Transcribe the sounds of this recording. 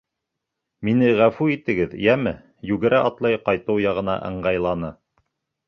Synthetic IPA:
minɘʁæfʉit̪ɘ̆ɡɘðjæmɘ | jʉɡɘ̆ɾæʔɑt̪lˠɑjqɑjt̪ɤwjɑʁɤ̆nɑ̰ʔɤ̰̆ɴɢɑjlˠɑnɤ

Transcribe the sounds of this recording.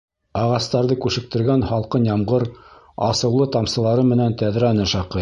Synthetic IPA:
ɑʁɑst̪ɑɾðɤkʉʃɘ̆k̚t̪ɘ̆ɾɡænχɑlˠqɤnjɑmʁɤɾ | ɑ̰sɤ̆wlˠɤt̪ɑmsɤ̆lˠɑɾɤmɘ̆nænt̪æðɾænɘʃɑqɤ

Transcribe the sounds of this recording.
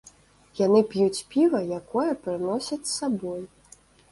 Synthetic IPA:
janɨpʲjut͡sʲpʲivɐjakɔjɐpɾɨnɔsʲɐt͡sʲssabɔj

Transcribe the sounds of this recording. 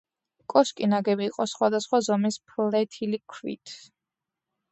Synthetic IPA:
kʼɔskʼinaɡɛbiːqʼɔsχwad̪asχwazɔmispʰlɛt̪ʰilikʰwḭt̪ʰ

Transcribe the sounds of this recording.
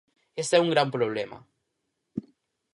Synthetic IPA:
est̪ɛuŋɡɾampɾoβlɛmɐ̰

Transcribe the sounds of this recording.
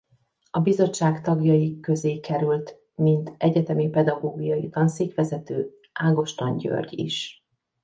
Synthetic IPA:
ɒbizo̞t͡ʃːaːkt̪ɒɡjɒjikø̞zeːkɛɾylt̪ | mint̪ɛɟɛt̪ɛmipɛd̪ɒɡoːɡijɒjit̪ɒnseːkʋɛzɛt̪øː | aːɡo̞ʃt̪ɒɲɟø̰rɟḭʃ

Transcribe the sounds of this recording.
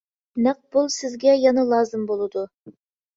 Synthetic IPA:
næq̚b̥ʊlˠsɪzɡʲɛjɑnɑlˠɑːzɨmbolˠɨd̪ʊ

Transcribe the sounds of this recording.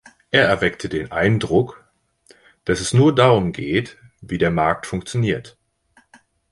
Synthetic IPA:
ʔeːɐɛɐvɛktʰədeːnʔaɪndʁʊk | d̥asɛsnuːɐdaːʁʊmɡeːt | viːdeːɐmaɐk̚tfʊŋkt͡sjoniːɐt

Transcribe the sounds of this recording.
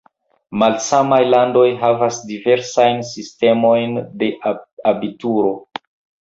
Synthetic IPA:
malsamajlando̞jɦavasdive̞ɾsajnsiste̞mo̞jnde̞abituɾo̞

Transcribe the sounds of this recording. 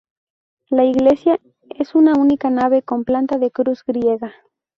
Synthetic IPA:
laiɣle̞sja | e̞sunaunikanaβe̞ko̞mplant̪aðe̞kɾuzɡɾjeɣa

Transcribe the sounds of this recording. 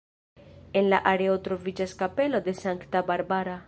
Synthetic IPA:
e̞nlaʔaɾe̞otɾo̞vid͡ʒaskape̞lo̞de̞saŋktabaɾbaɾa

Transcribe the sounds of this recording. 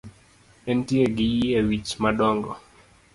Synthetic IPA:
ɛntieɡijiewit͡ʃmaɗɔŋɡɔ̰

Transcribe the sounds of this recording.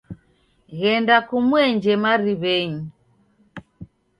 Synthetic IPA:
ɣɛndakumwɛɲd͡ʒɛmaɾiβɛɲi

